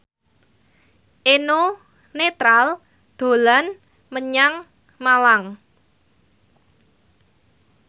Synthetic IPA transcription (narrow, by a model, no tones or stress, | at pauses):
ʔeno | net̪ɾal | d̪̥o̤lan | məɲaŋ | malaŋ